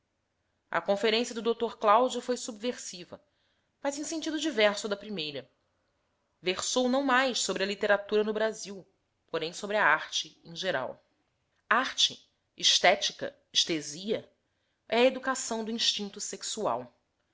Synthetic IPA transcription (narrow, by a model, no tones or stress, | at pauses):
ɐ̰kõfeɾẽsiɐd̪ʊd̪owt̪oɾklawd͡ʒufojsubveɾsivɐ | fazẽsẽnt͡ʃid̪ʊd͡ʒivɛɾsʊd̪ɐpɾimejɾɐ | veχsownɐ̃w̃majssobɾɪɐlit̪eɾat̪uɾɐnʊbɾaziw | poɾẽj̃sobɾɪɐaɾt͡ʃɪẽj̃ʒeɾa̰w | aɾt͡ʃɪː | ʃt̪ɛt͡ʃikɐ̰ | iʃt̪eziɐ | ɛɐed̪ukasɐ̃w̃d̪ʊĩʃt͡ʃĩnt̪useksua̰w